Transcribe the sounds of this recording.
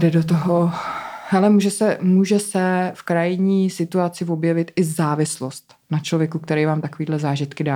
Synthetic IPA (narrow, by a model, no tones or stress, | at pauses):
dɛdot̪̬oɦohɛlɛmuːʒɛsɛmuːʒɛsɛfkɾajɪɲiːsɪt̪uat͡sɪvo̞bjɛvɪt̪ɪzaːvɪslost̪ | nat͡ʃlo̞vjɛkuk̚t̪ɛɾɛjvaːmt̪akoviːdlɛzaːʒɪt̪kɪdaː